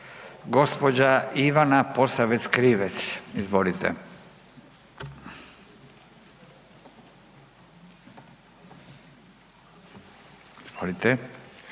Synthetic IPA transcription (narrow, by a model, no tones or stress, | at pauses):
ɡo̞spod͡ʑaiʋanaposaʋet̪skɾiʋet̪sizʋolit̪ɛ̰ | izʋolit̪ɛ